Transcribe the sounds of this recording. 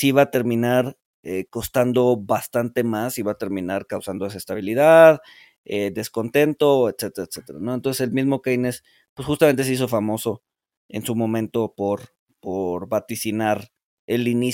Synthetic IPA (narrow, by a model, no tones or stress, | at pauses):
siβat̪e̞ɾmĩnaɾ | eko̞st̪and̪o̞βast̪ant̪e̞masiβat̪e̞ɾmĩnaɾkawsand̪oe̞s̬aest̪aβ̞iliðað | ed̪e̞sko̞nt̪e̞nt̪o̞et̪se̞t̪eɾat̪set̪e̞ɾa̰no̞ent̪onsese̞lmizmo̞kejnes | pwesxust̪ame̞nt̪eseis̬o̞famo̞so̞ | e̞̰nsumõ̞mẽ̞nt̪o̞po̞ɾ | poɾβat̪isinaɾ | e̞lini